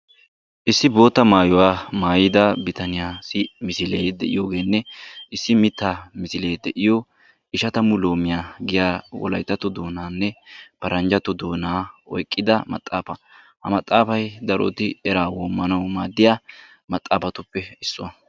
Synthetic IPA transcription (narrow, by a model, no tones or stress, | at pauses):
ʔɪsːɪbo̞ːt̪ːɐmaːjɔwaːmaːjɪd̪ɐbɪt̪ɐnɪjaːsɪmɪsɪleːjd̪ɛ̰ʔɪ̰jo̞ːɡe̞ːnːɛʔɪsːɪmɪt̪ːaːmɪsɪle̞ːjd̪ɛʔɪjo | ɪʃɐt̪ɐmʊloːmɪjaːɡɪjaːwɔ̰lɐ̰jt̪ːɐt̪ɔd̪o̞ːnaːnːɛpɐɾɐnd͡ʒɐt̪ːɔd̪o̞ːnaːɔ̰jkʼːɪd̪ɐmɐ̰t̪ʼːaːfɐ | hɐ̰mɐt̪ʼːaːfɐjd̪ɐɾɔ̰t̪ɪɛɾaːwoːmːɐnɐwmaːd̪ːɪjaː | mɐt̪ʼːaːfɐt̪ʊpːɛɪsːʊwɐ